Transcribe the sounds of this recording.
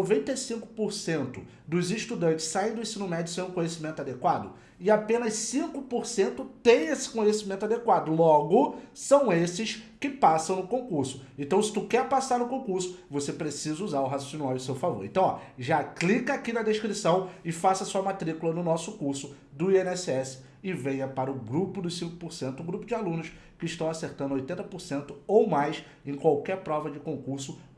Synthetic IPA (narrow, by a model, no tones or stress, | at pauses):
ovẽnt̪ejsĩkʊ̥poɾsẽnt̪ʊ | d̪ʊzɪʃt̪ud̪ɐ̃nt͡ʃɪ̥ssaẽj̃d̪ʊẽsĩnʊmɛd͡ʒʊsẽj̃ũkõɲesimẽnt̪ad̪ekwad̪ʊ | ɪapẽnɐʃsĩkʊpoɾsẽnt̪ʊt̪ẽj̃esɪ̥kõɲesimẽnt̪ad̪ekwad̪ʊlɔɡʊsɐ̃w̃esɪʃkɪpasɐ̃w̃nʊkõkuɾsʊ̥ẽnt̪ɐ̃w̃sɪ̥t̪ukɛɾpasaɾnʊkõkuɾsʊ̥vosepɾesizɐuzaɾʊɦassinuajʊsewfavo̰ɾẽt̪ɐ̃w̃ɔ̰ʒaklikɐakinɐd̪eʃkɾisɐ̃w̃ɪfasɐsuɐmat̪ɾikʊlɐnʊnɔsʊkuɾsʊ | d̪ʊiẽnɛsɪɛsɪ̥ | ɪvejɐpaɾɐʊɡɾupʊd̪ʊsĩkʊ̥poɾsẽnt̪ʊɡɾupʊd͡ʒɪalũnʊʃ | kɪʃt̪ɐ̃w̃aseɾt̪ɐ̃nd̪ojt̪ẽnt̪ɐpoɾsẽnt̪ʊowmajs | ẽj̃kwawkɛɾpɾɔvɐd͡ʒɪkõkuɾsʊ